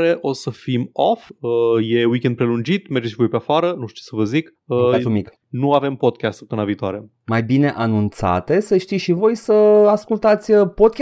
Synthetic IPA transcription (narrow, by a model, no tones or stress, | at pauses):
ɾeʔo̞səfimofəje̞wikʲe̞nd̪̚pɾe̞lund͡ʒit̪merd͡ʒeʃivo̞jpeafaɾənuʃt̪isəvəzik | əmik | nuave̞mpo̞d̪̚kʲast̪pɨnaviːt̪oaɾe̞ | majbine̞ʔanunt̪sa̰t̪e̞səʃt̪isʃivo̞jsəaskult̪at̪sʲəpo̞d̪̚kʲ